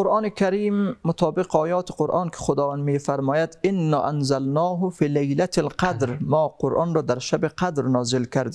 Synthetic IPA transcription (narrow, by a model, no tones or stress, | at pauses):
oɾʔɑːnekʲʰaɾiːmːʊt̪ʰɒːbɪqɒːjɒːt̪ʰɪ̥qoɾʔɑːnkʰɪ̥xod̪ɒːvand̪meːfaɾmɒːjad̪ɪnːɒːʔanzalnɑːɦʊfiːlajlat̪ʰlqad̪ɾmɒːqʰoɾʔɒːnɾɒːd̪aɾʃabeqad̪ɾnɒːzɪlkʲʰaɾd̪i